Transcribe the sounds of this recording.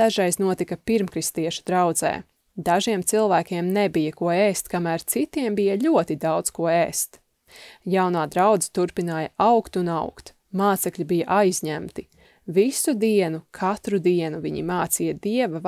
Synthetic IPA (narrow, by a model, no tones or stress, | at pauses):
aʒajznuɔt̪ikɐpiɾmkɾist̪iɛʃu̥d̪ɾawd̪zɛ̰ː | d̪aʒiɛmt̪silˠvæːkʲiɛmnebijɐkuɔeːst̪kamæːɾt̪sit̪iɛmbijaʎʲuɔt̪id̪awd̪skuɔeːst̪ | jawnaːd̪ɾawd̪zi̥t̪uɾpinaːjɐʔawkt̪unawkt̪ | maːt̪sɛkʎʲibijɐʔajzʲɲæmt̪i | visud̪iɛnukʰat̪ɾud̪iɛnuviɲḭmaːt̪siːjɐd̪iɛvɐ